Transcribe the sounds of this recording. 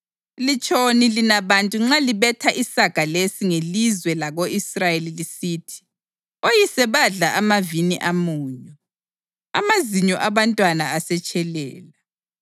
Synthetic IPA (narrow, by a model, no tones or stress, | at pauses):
lit͡ʃʼonilinaβantʼuŋ͡ǁaliβɛtʰaʔisaɡ̥ʱalesiŋelizwɛlaɣoisrajelilisiːtʰi̥ | ojisɛβaɮaʔamaviniʔamuːɲɔ | a̰maziɲɔʔaβantʼwanaasɛt͡ʃʼɛlɛ̰ːla